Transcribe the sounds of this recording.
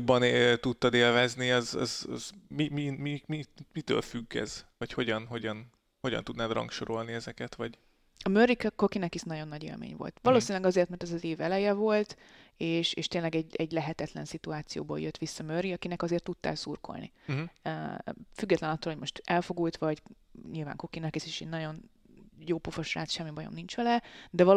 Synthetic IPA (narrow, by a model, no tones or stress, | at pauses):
bːɒnt̪ut̪ːɒd̪eːlvɛzniɒzɒ̰zɒ̰zmimimimimit̪ø̰ːlfyɡːɛ̰z̥ʋɒcho̞ɟɒnɦo̞ɟɒn | ho̞ɟɒ̰nt̪ud̪naːd̪rɒ̰ŋkʃoɾo̞lniɛzɛkɛt̪ʋɒɟ | ɒmørːikko̞kinɛkiʃnɒɟo̞nːɒɟḛːlmḛːɲvo̞̰lt̪ʋɒloːsinlɛɡɒzert̪mɛrt̪ɛzɒzeːvɛlɛjɛvo̞lt̪ | eːʃḛːʃt̪eːnlɛɡɛɟɛɟlɛɦɛt̪ɛt̪lɛ̰nsit̪uaːt̪sijo̰ːboːljøt̪ʋisːɒmørːiɒkinɛkɒzeːrt̪ːut̪ːa̰ːlsurko̞̰lnḭ | fyɡːɛt̪lɛnɒt̪ːoːlhoɟmo̞ʃt̪ɛlfo̞ɡult̪ʋɒɟɲilva̰ːŋko̞kinɛkiseːʃenɒɟo̞n | joːpufoʃra̰ːt̪ʃɛmːibɒjo̞̰mnint͡ʃʋɛlɛd̪ɛvɒ